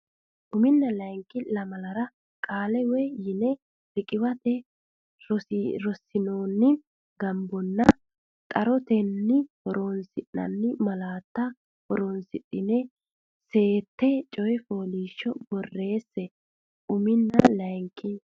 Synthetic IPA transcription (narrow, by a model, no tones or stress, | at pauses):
ʔʊmɪnːɐlɐjŋkːɪlɐmɐlɐɾɐ | kʼaːlɛwɛjɪnɛ | bɪkʼɪwɐt̪ɛ | ɾɔsɾɔsːɪnoːnːɪ | ɡɐmbɔnːɐ | t̪ʼɐɾɔt̪ɛnːɪhɔɾoːnsɪʔːɐ̰nːɪmɐlaːt̪ːɐ | hɔɾoːnsɪɗːɪnɛ | se̞ːt̪ːɛt͡ʃʼɔjɛfo̞ːliːʃːɔbɔrːe̞ːsːɛ | ʔʊmɪnːɐlɐjŋkːɪ